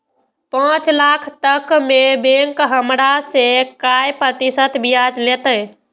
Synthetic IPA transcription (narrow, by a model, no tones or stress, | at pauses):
pãt͡ʃlakʰt̪əkmebeŋkɦəmɾasekajpɾət̪isət̪bijad͡ʒlet̪əj